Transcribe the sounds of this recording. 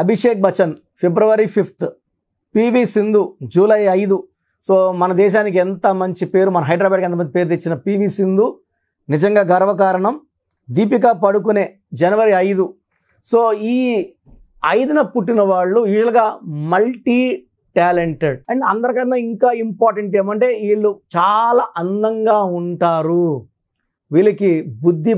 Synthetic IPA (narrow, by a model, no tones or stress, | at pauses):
ɐbʱiʂeːk̚bɐt͡ʃɐn | pebɾuʋɐɾipʰipʰt̪ʰ | piːbiːsind̪ud͡ʒuːlɐjɐjd̪u | soːmɐnɐd̪ɛːʃ̬aːnik̬iɛnt̪ɐmɐɲt͡ʃipe̞ːɾumɐnɐɦɐjɖɾaːbaːɖkɐnt̪ɐmɐnipeːɾut̪̬et͡ʃːinɐpiːbiːsind̪u | nid͡ʒɐŋɡaːɡɐɾʋɐkaːɾɐɳɐm | d̪iːp̬ik̬aːpɐɽuk̬une̞ː | d͡ʒɐnɐʋɐɾiɐjd̪u | soːiː | ɐjd̪ɐnɐpuʈːinɐʋaːɭːujuːʒɐlɡaːmɐlʈiː | ʈaːleɳʈeɖ̚ɐeɐnd̪ɐɾɐkɐnːɐːiŋkaːimpaːɾʈeɳʈeːmɐɳʈe̞ːiːɭːut͡ʃaːlaːʔɐnd̪ɐŋɡaːuɳʈaːɾu | ʋiːlɐkibud̪ʱːi